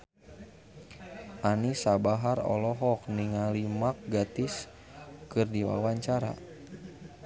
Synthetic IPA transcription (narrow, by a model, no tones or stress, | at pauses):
ʔanisabaɦarɔ̰lɔɦɔk̚niŋalimak̚ɡat̪ɪs | kɨrdiwa̰waɲt͡ʃaɾa̰